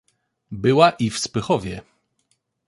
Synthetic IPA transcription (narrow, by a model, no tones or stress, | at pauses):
bɘwaʔifspɘxɔvʲjɛ